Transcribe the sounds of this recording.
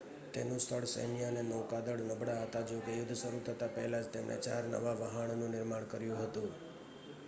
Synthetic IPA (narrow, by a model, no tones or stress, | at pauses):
t̪enũst̪ʰəɭsə̰nijanenəwkad̪əɽnəbʱɽaɦət̪ad͡ʒokejʊd̪ʱːsəɾut̪ʰət̪apə̰ɦɛlad͡ʒt̪emɳʔḛt͡ʃaɾnə̰ʋaʋəɦəɳnũnɪɾmaɳ̃kəɾjũɦət̪ũ